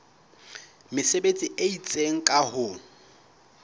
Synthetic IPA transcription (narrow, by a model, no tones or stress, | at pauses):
mɪsebet͡sʼiʔeit͡sʼeŋ̩kʼahʊ